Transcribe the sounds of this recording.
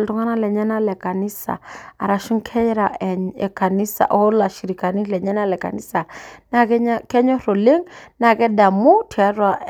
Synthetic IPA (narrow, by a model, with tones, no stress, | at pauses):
ltu˦ŋa˦na˦lɛ˨ɲɛ˦na˦lɛ˨ka˨ni˦sa̰˨a˨ɾa˨ʃu˦ŋkʰɛ˦ɾa˨ɛ˨ɛ̰˨ka˨ni˦sa̰˨ʔɔ˦la˨ʃi˨ɾi˨ka˨ni˦lɛ˨ɲɛ˦na˦lɛ˨ka̰˨ni˦sa˨na˦˨kɛ˦kɛ˦ɲɔ˦ɾo˨le˦ŋna˨kɛ˦da˨mu˦tʰi˨a˦ɾwa˦